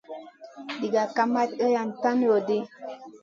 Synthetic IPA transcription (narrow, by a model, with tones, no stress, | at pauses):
di˨ɡa˨ka˦ma˦tə˦ja˨n˨ta˦n˦jo˨di˦